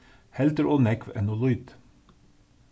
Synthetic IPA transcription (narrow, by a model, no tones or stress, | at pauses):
hɛlt̪əɹoːnɛkʋɛ̰nolʊt̪